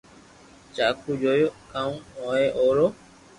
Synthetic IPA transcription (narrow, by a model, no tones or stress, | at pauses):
t͡ʃakud͡ʒojokãũɔeʔoɾo